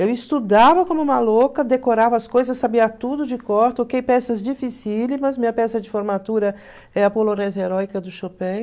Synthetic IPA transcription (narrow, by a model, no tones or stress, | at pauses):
ewist̪ud̪avɐkõmʊũmɐlokɐd̪ekoɾavɐɐskojzɐsːabiɐt̪ud̪ʊd͡ʒɪkɔɾt̪ʊokejpɛsɐzd͡ʒifisilimɐzmĩɲɐpɛsɐd͡ʒɪfoɾmat̪uɾɐ | ɛɐpoloɾẽzɐeɾɔjkɐd̪ʊʃopẽj